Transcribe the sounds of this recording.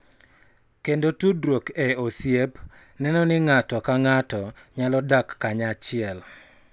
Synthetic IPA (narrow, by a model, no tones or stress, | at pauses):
kendotudɾwokɛosjep | nɛnɔnɪŋatɔkaŋatɔɲalɔdakːaɲat͡ʃɪɛl